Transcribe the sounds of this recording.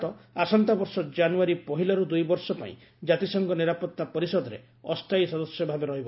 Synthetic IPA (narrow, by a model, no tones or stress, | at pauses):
ɔasɔnt̪abɔɾsɔd͡ʒanuaɾipɔɦilɔɾud̪ujbɔɾsɔpa̰ḭ̃ | d͡ʒat̪isɔŋɡɔniɾapɔt̪ːapɔɾisɔd̪ɔɾe | ɔst̪ʰajsɔd̪ɔsjɔbʱabeɾɔɦibɔ